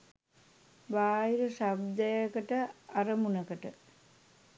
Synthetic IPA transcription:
baːiɾəsabd̪əjəkəʈəarəmunəkəʈə

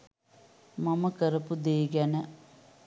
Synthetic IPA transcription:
maməkəɾəpud̪eːɡænə

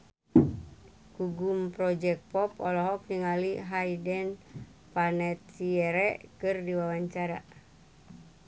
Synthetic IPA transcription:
kuɡumpɾɔd͡ʒɛk̚pɔpɔlɔɦɔk̚niŋaliɦaidɛn | panɛt̪̚siɛɾɛʔkɨrdiwawaɲt͡ʃaɾa

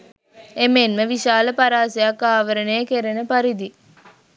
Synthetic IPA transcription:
emenməʋiʃaːləpaɾaːsejakːaːʋəɾənejəkeɾenəpaɾid̪i

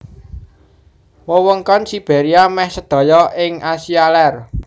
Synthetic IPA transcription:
wəwəŋkɔnsib̥e̤ɾiamɛhsəd̪̥ɔ̤jɔʔɪŋʔasialɛr

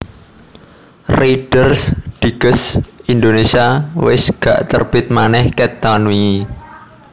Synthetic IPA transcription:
riɖ̥ərsd̥i̤ɡ̥əsind̪onesiawɪsɡ̥a̰ʔt̪ərb̥ɪt̪̚manɛhkɛt̪anui

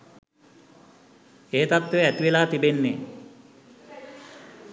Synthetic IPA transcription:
eːet̪at̪ʋeæt̪iʋelaːt̪ibenːe

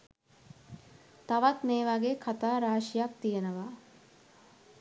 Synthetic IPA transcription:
t̪aʋat̪meːʋaɡekʰat̪aːɾaːʃijak̚t̪ijenəʋa

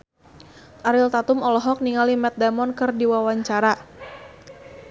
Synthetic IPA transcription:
aɾɪlt̪at̪umɔlɔɦɔk̚niŋalimɛt̪̚damɔnkɨrdiwawaɲt͡ʃaɾa

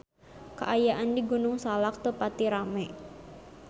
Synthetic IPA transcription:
kə̰ʔajaʔandiɡunʊŋsalak̚t̪ərpat̪iɾamɛ

